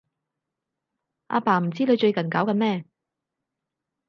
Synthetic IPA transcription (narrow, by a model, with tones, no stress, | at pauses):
ʔa̰ː˧paː˨˩m̩˨˩t͡siː˥nɵ˨˧ɥt͡ʃɵ˧ɥkɐ˨˩nkaː˨˥wkɐ˧mɛː˥